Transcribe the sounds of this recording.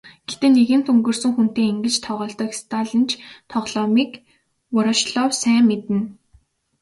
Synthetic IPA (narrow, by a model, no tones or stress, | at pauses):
ɡ̥et̪ĕnːeɣɘ̆nt̪ʰɵŋɡɵ̆rsɵ̆ŋxun̥t̪eːŋeŋɡɘ̆t͡ɕt̪ʰɔʁɔːɬt̪ɔ̆ːkst̪ʰaɮə̆nt͡ɕʰt̪ʰɔʁɮɔmiːk | pʊɾɔʃɮɔwsæːmːet̪ɘ̆n